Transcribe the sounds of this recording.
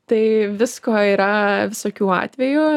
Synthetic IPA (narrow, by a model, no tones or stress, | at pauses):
t̪ɐɪʋʲɪskoːiːɾɐʋʲɪsoːkʲuːɑ̰ːt̪ʲʋʲɛjʊ